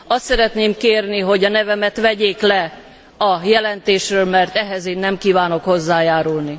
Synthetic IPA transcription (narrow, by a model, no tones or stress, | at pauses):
ɒst̪sɛɾɛt̪neːmkeːrniɦo̞ɟɒnɛvɛmɛt̪ʋɛɟeːklɛ | ɒjɛlɛnt̪eːʃrøːlmɛrt̪ɛɦɛzeːnːɛmkiːvaːno̞kho̞zːaːjaːɾulni